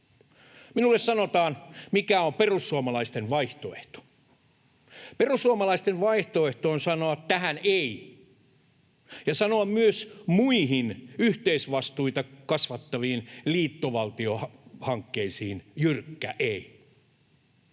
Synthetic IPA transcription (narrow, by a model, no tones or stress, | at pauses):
minulːessɑnot̪ɑːnmikæomperusːuɑmɑlɑist̪enʋɑiht̪oeht̪o̥ | perusːuɑmɑlɑist̪enʋɑiht̪oeht̪oːnsɑnoɑtt̪æhænei | jɑsɑnoɑmmyøsmuiɦinyht̪eisʋɑst̪uit̪ɑkɑsʋɑt̪ːɑʋiːnliːt̪ːoʋɑlt̪iohhɑŋkːeisiːnjyrkːæʔei